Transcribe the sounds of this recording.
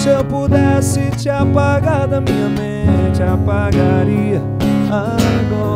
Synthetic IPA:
sɐpud̪ɛsɪt͡ʃiapaɡaɾd̪ɐmĩɲɐmẽt͡ʃɪapaɡaɾiɐ | a | ɡɔ

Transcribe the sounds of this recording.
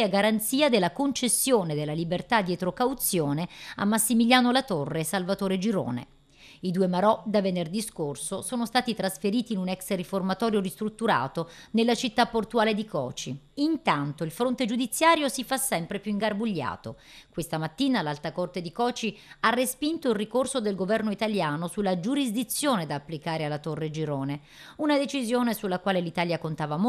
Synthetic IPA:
aɡaɾant̪siːad̪elːakont͡ʃesːjoːned̪elːalibert̪ad̪iet̪ɾokawt̪sːjoːnea̰mːasːimiljaːnolat̪orːesalvat̪oːɾed͡ʒiɾo̰ːnḛ | id̪uːemaɾɔd̪avenerd̪iskorsosoːnost̪aːt̪it̪ɾasfeɾiːt̪iːnunɛksriformat̪ɔːɾjoɾist̪ɾut̪ːuɾa̰ːt̪onelːat͡ʃit̪ːapːort̪uaːled̪ikɔ̰ːt͡ʃiint̪ant̪oilfɾont̪ed͡ʒud̪it̪sːjaːɾjosifasːɛmpɾepjuiŋɡarbuʎːa̰ːt̪o̰ | kwest̪amat̪ːiːnalalt̪akort̪ed̪ikɔːt͡ʃiarːespint̪oilrikorsod̪elɡovɛrnoit̪aljaːnosulːad͡ʒuɾizd̪it̪sːjoːned̪aːpːlikaːɾealːat̪orːed͡ʒiɾoːne | unad̪et͡ʃizjoːnesulːakwaːlelit̪aːljakont̪aːvam

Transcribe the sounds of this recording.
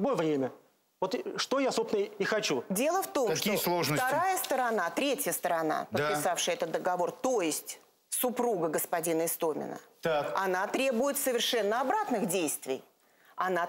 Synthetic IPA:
bovɾʲemʲə | vot̪ʂt̪ojasopsʲɪnəɪxɐt͡ɕudʲe̞lˠəft̪o̞mɐkʲislˠoʐnət̪ɐɾajəst̪əɾɐnat̪ɾʲetʲjəst̪əɾɐna̰p̪ət̪̚pɪsafʂɨjəɛt̪ət̪d̪əɡɐvo̞rt̪ojɪsʲtʲ | sʊpɾuɡəɡəspɐdʲinəɪst̪o̞mʲɪ̰nə̰t̪akɐnat̪ɾʲe̞bʊjɪt̪səvʲɪrʂɛnːəɐbɾat̪nɨxdʲejst̪vʲɪ̰j | ɐna

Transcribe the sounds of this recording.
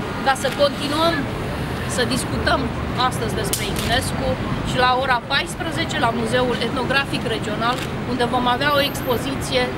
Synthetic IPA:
kasəko̞nt̪inuəm | səd̪iskut̪əm | ast̪əzʲd̪e̞spɾe̞imne̞skuʃilao̞ɾapajspɾəze̞t͡ʃe̞lamuze̞ule̞t̪no̞ɡɾafikre̞d͡ʒio̞nal | und̪e̞vo̞maveao̞e̞kspo̞zit̪sije̞

